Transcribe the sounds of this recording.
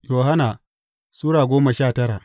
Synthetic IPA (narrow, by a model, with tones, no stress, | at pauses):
joː˨ɦa˦naː˨ | suː˦ɽaː˨ɡʷoː˦ma˨ʃaː˦˨tɐ˦ɾa˨ʔ